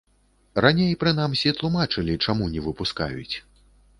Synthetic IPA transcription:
ranʲejpɾɨnamsʲit̪lˠumat͡ʂɨlʲit͡ʂamunʲɛvɨpuska̰jṵt͡sʲ

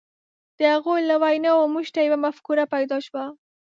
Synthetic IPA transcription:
d̪̥əhaɣojlawajnɑomuʒt̪ajawamafkuɾapajd̪ɑʃwa

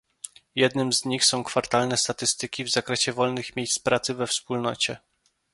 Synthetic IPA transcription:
jɛd̪nɘmzɲixsɔ̃w̃kfaɾt̪alnɛst̪at̪ɘst̪ɘkʲivzakɾɛɕɛvɔlnɘxmʲjejspɾat̪sɘvɛfspulnɔt͡ɕɛ

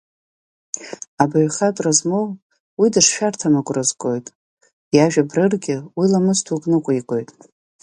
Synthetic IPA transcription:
abaɥχʲatʼrazmow | widɨʂʃᶣartʰamakʷʼrɨzɡʼo̞jtʼ | jaʒᶣabrɨrɡʲɪwilamɨstʰukʼnɨkʷʼaikʷʼo̞jtʼ

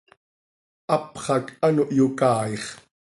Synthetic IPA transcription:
ʔɑpχɑkanoʔjokɑːeχ

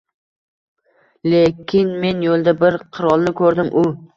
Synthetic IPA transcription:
le̞kʲʰɪnme̞njolˠd̪abɪɾqʰɨɾɒlˠnɪkʰɵɾd̪ɪmʔʊ

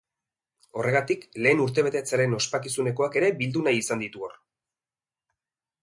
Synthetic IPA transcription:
o̞re̞ɣ̞at̪ikle̞ːnuɾt̪̬e̞β̞e̞t̪et͡saɾe̞no̞spakisune̞ko̞ake̞ɾe̞bild̪unajisand̪it̪uor

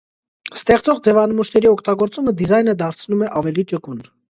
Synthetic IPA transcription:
st̪ɛχt͡sɔʁd͡zɛvɑnəmuʃnɛɾiɔkʰt̪ɑɡɔɾt͡suməd̪izɑjnəd̪ɑɾt͡sʰnumɛʔɑvɛlit͡ʃəkun

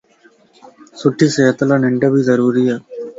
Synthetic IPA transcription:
suʈʰːiseːɐt̪ːɐlɐnɛɳɖɐbizɐɾuːɾijɐ

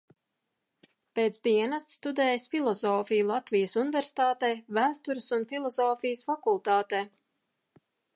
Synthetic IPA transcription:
peːt̪sd̪iɛnast̪st̪ud̪ɛːjsfilˠɔzɔːfijulˠat̪vʲijəsunɪvʲɛɾsi̥t̪aːt̪ɛjvæːst̪uɾɨsunfilˠɔzɔːfijəsfakulˠt̪aːt̪ɛː

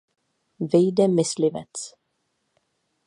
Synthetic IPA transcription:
viːd̪əmɪsliːvə̰t̪

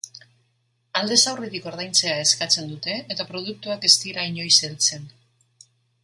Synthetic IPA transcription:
ald̪e̞sawriðiko̞ɾðajnt͡se̞ae̞skat͡se̞nd̪ut̪e̞et̪apɾo̞ð̞uk̚t̪uake̞st̪iɾaiɲo̞jselt͡se̞n

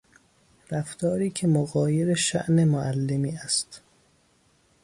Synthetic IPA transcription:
ɾæft̪ʰɒːɾiːkʰemoɣɒːjeɾeʃæ̰ʔne̞moʔælːemiːæst̪

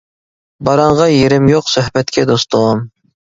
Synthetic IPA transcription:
bɑɾɑɴʁɑjeɾɪmjoqsøhbɛt̪kʲʰɛd̪ost̪oʁɑm

